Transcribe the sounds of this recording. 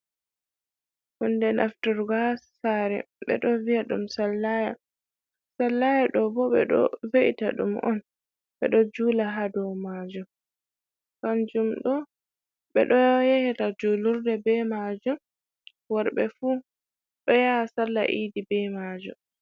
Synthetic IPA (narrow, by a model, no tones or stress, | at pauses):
hundɛnʔa̰ftɔɾɡasːaɾɛɓɛ̰ɗɔviaɗumsalːaja | salːajaɗɔbɔɓɛ̰ɗɔ̰veʔita̰ɗṵmʔɔ̰n | ɓɛ̰ɗɔd͡ʒuːlaɦadɔmad͡ʒum | kand͡ʒumɗɔ | ɓɛ̰ɗɔjehitad͡ʒuluɾdɛbɛmad͡ʒum | waɾbɛfuː | ɗɔjasalːa̰ʔidibɛmad͡ʒum